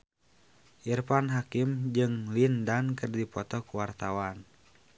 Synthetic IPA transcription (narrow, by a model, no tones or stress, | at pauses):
ʔirpanɦakimd͡ʒɨŋlindankɨrdipɔt̪ɔkuwart̪awan